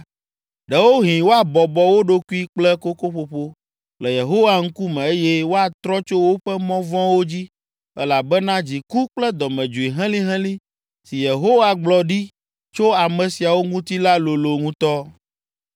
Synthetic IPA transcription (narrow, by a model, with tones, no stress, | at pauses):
ɖɛ˨wo˦ɦĩ˨wo˦a˨bɔ˨bɔ˨wo˦ɖo˦ku˦i˦k͡plɛ˦ko˦ko˦ɸo˦ɸo˦ | lɛ˨je˨ɦo˦wa˨ŋ̩˦ku˦mɛ̃˨e˦jɛ˦wo˦a˨t̪ɾɔ˦t͡ʃo˦wo˦ɸɛ˦mɔ̃˦vɔ̃˦wo˦d͡ʑi˦ | ɛ˦la˨bɛ˦nã˦d͡ʑi˨ku˦k͡plɛ˦d̪ɔ˨mɛ̃˨d͡ʒu˨i˨ɦɛ̃˦lĩ˦ɦɛ̃˦lĩ˦ | si˨je˨ɦo˦wa˨ɡ͡blɔ˨ɖi˦ | t͡ʃo˦a˨mɛ̃˨si˨a˨wo˦ŋũ˦t̪i˦la˦lo˨lo˨ŋũ˦t̪ɔ˦